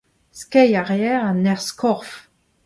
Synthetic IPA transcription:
skɛjaʁeɛʁanɛʁskʰɔʁf

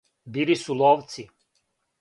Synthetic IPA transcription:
bilisulˠoʋt̪si

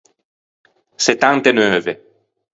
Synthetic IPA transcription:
set̪ãŋt̪enœve

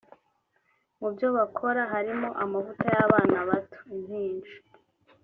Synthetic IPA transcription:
mubjo̞βakʰo̞ɾaɦaɾimo̞ʔamavutajaβaːnaβato̥in̥hiːnd͡ʒi̥

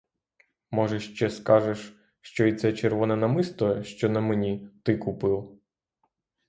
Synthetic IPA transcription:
mɔʒɛʃt͡ʃɛskɑʒeʃ | ʃt͡ʃɔit̪sɛt͡ʃerʋɔnɛnɐmɪst̪ɔʃt͡ʃɔnɐmɛnʲit̪ɪkupɪw

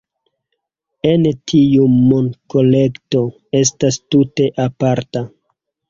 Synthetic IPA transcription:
entʰiumonkole̞kto̞ | e̞s̬tastute̞ʔapaɾta

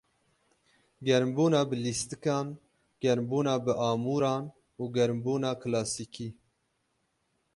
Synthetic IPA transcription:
ɡɛɾmbuːnɑːbɨlist̪ɨkɑːn | ɡ̥ɛɾmbuːnɑːbɨʔɑːmuːɾɑːn | uːɡɛɾmbuːnɑːkʰlɑːsiːkʰiː

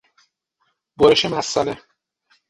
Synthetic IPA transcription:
boɾeʃemæsːɒ̰ne

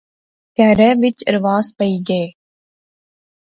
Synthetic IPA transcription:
kɛːɾɛʋɪt͡ʃɾəʋaːzpəiːɡeeː

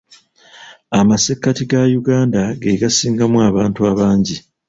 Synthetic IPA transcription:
amasekːatiɡajuɡaːndaɡeɡasiːŋɡamuaβaːntuaβaːɲɟi

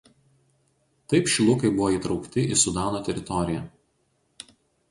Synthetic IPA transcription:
t̪ɐɪpʃʲɪlˠʊkɐɪbʊʋoːiːˑt̪ɾɒʊkt̪ʲɪʔɪsʊd̪ɑːnoːt̪ʲɛɾʲɪt̪ɔɾʲɪjɛ

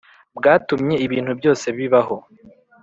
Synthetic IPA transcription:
bɡaːtumɲe̞iβiːn̥hubjo̞ːse̞βiβaɦo̞

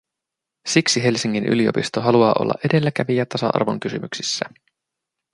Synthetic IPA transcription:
siksiɦe̞lsiŋːiny̰lio̞̰pist̪oɦɑluɑːʔolːɑʔe̞de̞lːækæʋijæt̪ɑsɑ̰ʔɑ̰rʋo̞̰ŋk̟ysymyksisːæ

